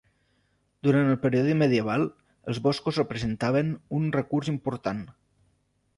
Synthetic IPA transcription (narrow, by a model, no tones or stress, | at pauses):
d̪uɾant̪əlˠpəɾiɔðiməðiəβ̞alˠ | əlˠzβɔskuzrəpɾəzənt̪aβ̞ənunrəkurzimpuɾt̪an